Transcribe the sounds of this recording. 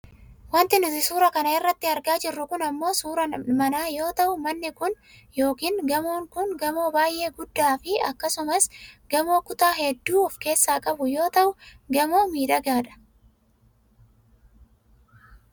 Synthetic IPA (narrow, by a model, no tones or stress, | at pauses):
wɐnt̪ɪnʊt̪ɪsuːɾɐkɐnɐɪrːɐt̪ːɪɐɾɡaːd͡ʒɪrːʊkʊnɐmːo̞ːsuːɾɐnmɐnaːjo̞ːt̪ɐʔʊmɐnːɪkʊn | jo̞ːkiːŋɡɐmo̞ːŋkʊnɡɐmo̞ːbaːjʔe̞ːɡʊd̪ːaːfɪɐkːɐsʊmɐsɡɐmo̞ːkʊt̪aːɦɛd̪ːuːɔfke̞ːsːaːkʼɐbʊjo̞ːt̪ɐʔʊɡɐmo̞ːmiːᶑɐɡaːᶑɐ̥